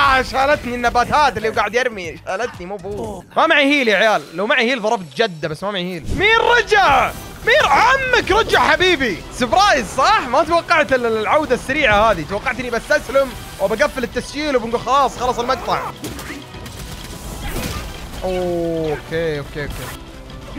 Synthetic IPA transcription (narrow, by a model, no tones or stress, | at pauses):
ʔaʃalat̪ninːabaːt̪aːt̪ɪlːiwɡaːʕɪd̪jɑɾmiʃaːlat̪nimuːbuːmamaʕihiːljaʕjaːlːawmaʕihiːlðˤɑɾˤɑbt̪d͡ʒad̪ːabasːmamaʕihiːlmiːɾːɑd͡ʒaʕ | miːɾʕamːakɾˤɑd͡ʒːaʕħabiːbisɨbɾˤɑjzsˤɑħmat̪wɑqːɑʕt̪ɪllʕawd̪asːaɾiːʕahaːðit̪wɑqːɑʕt̪nibast̪aslɪm | wbaɡafːɪlɪt̪ːasd͡ʒiːlwbɪnɡuːlxɑlɑːsˤxɑlɑːsˤɪlmaɡt̪ˤɑʕ | ʔookeːokːeːʔokːeː